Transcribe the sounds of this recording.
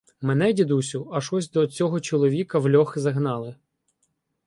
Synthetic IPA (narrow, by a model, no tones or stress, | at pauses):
mɛnɛdʲid̪usʲʊɐʃɔsʲd̪ɔt͡sʲɔɦɔt͡ʃɔlˠɔʋʲikɐwlʲɔxɪzɐɦnɑlˠɪ